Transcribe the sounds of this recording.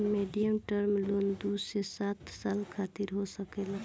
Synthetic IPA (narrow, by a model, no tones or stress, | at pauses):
meɖijəmʈəɾmlond̪usesat̪saːlkʰat̪iɾɦosəkelə